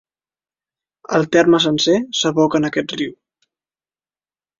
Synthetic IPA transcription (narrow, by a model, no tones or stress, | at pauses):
əlˠt̪ɛrməs̬ənsesəβɔkənəkɛt̪riw